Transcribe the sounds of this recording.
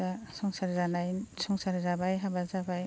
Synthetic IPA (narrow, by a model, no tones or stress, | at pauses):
asɔŋsaɾiɾanajsɔŋsaɾiɾabajɦabazabaj